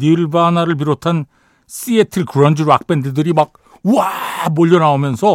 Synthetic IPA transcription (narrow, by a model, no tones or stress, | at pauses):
niɭbanaɾɯɭp̬iɾotʰan | s͈ʰietʰɯɭkɯɾʌnd͡ʑiɾoak̚p͈endɯdɯɾimak̚ | uamoʎːʌnaomjʌnsʰʌ